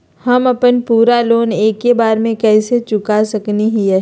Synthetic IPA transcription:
hɐmɐpənpuːɾaloːneːkːebaːɾmẽkɛːset͡ʃʊkasɐkniɦiɦɛː

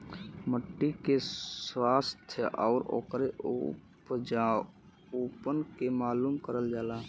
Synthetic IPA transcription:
məʈːikeswaːst̪ʰjəʔɔʊɾo̰ːkɾeṵpd͡ʒa | upənkemaːlumkəɾəld͡ʒaːla

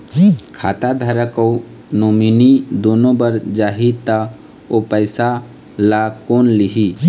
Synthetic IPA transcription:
kʰa̰ːt̪ad̪ʱaɾəko | noːminid̪oːnõbəɾd͡ʒaːɦit̪ə | opəɪsa | lakoːnliɦi

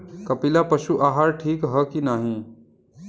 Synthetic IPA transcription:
kɐpɪlapɐʃuʔaːɦaːɾʈʰiːkɦəkinaːɦĩː

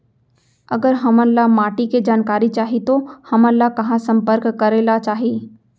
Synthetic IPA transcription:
ɐɡəɾɦɐmənlamaːʈiked͡ʒaːnkaːɾit͡ʃaːɦit̪ohɐmə̃nlakɐɦãsɐ̃mpəɾkːɐɾeːlat͡ʃaːɦiː

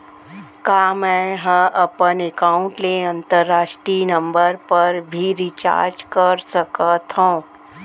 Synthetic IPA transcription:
kaːmɛ̃ɦə̃ʔɐpənekaːʊ̃ɳʈleɐ̃nt̪əɾːaːʃʈɾiːnɐ̃mbəɾpɐɾbʱiɾɪt͡ʃa̰ːɾd͡ʒkəɾsəkət̪ɦõː

